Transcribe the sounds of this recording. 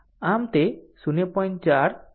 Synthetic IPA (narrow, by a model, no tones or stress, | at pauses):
amt̪esunepɔjnt͡ʃaɾ